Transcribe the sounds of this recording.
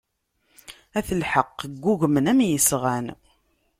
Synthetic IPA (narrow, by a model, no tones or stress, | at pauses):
æθəlħəqːɡːuʝmənæmjəsʁæn